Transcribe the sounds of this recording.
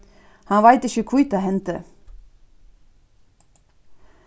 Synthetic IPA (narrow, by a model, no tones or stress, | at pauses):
hɑnʋæɪt̪ɪçəkʰʊit̪ahɛnt̪ə